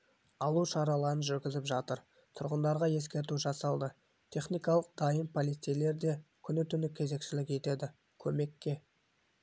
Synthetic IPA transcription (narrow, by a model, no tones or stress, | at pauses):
ɑlˠuʃɑɾɑlˠɑɾənʒʏɾɡʲɪzɪpʒɑt̪əɾ | t̪ʰʊɾʁənd̪ɑɾʁɑje̞skʲe̞ɾt̪uʒɑsɑlˠd̪ə | t̪ʲʰe̞χnijkɑlˠəq̚d̪ɑjənpʰolʲist̪ejle̞ɾd̪e̞kʲʰʏnɪt̪ʰʏnɪkʲʰe̞ze̞kʃɪlɪkʲe̞t̪e̞d̪ɪ | kʲʰɵme̞kʲːe̞